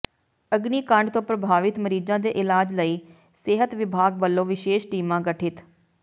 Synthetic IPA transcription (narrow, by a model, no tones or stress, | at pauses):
əɡniːkəɳɖt̪õːpɾəbʱaːʋɪt̪məɾiːd͡ʒãːd̪eːʔɪlaːd͡ʒləiː | sɪɦət̪ʋɪbʱaːɡʋəlːõːʋɪʃeːʃʈiːmãːɡəʈʰɪt̪